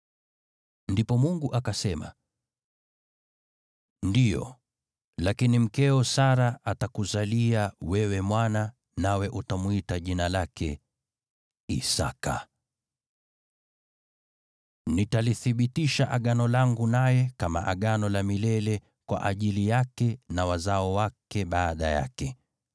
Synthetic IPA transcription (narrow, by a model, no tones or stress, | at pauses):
ndipɔmuŋɡuʔakasɛma̰ | ndijɔ̰ | lakinim̩kɛɔsaɾaatakuzaliawɛwɛmwana | nawɛʔutamuitaʄinalakʰɛ̰ | ḭsa̰ka | nitaliθiɓitiʃaʔaɠanɔlaŋɡunajɛkama̰ʔaɠanɔlamilɛlɛ | kwa̰ʔaʄilijakɛnawazaɔwakɛɓaːɗaja̰kɛ